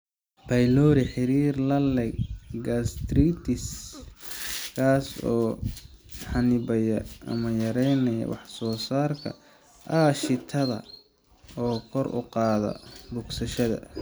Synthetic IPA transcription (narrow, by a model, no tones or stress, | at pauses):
pʰɐjlɔɾɪħɪɾiːrlɐlɛɡɡast̪ɾiːt̪ʰɪs | kʰaːsɔː | ħɑnɪbɐjɐʔɐ̰mɐjɐɾɛjnɐjɐ̰wɑħsɔːsaːrkʰɐ̰ | ʔɐʃɪt̪ʰɐðɐ̰ | ɔːkʰɔrʊ̰qɑːðɐ̰bʊɡsɐʃɐðɐ̰